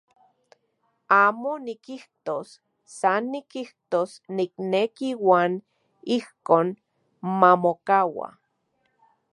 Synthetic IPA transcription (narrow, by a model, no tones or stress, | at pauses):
aːmonikiht̪osː | anːikiht̪osniknekiwaːn | ihkoːn | mamokawa̰